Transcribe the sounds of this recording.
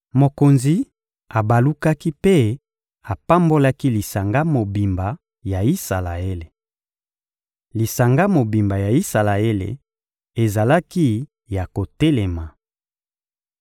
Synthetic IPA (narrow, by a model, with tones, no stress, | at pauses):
mo˨ko˨nzi˨˦ | a˨ba˨lu˦ka˦ki˦pe˦ | a˨pa˦mbo˦la˦ki˦li˨sa˨ŋɡa˦mo˨bi˨mba˨ | ja˨i˦sa˨la˨e˦le˨ | li˨sa˨ŋɡa˦mo˨bi˨mba˨ja˨i˦sa˨la˨e˦lḛ˨ | e˨za˨la˦ki˦ | ja˨ko˨te˦le˨ma˨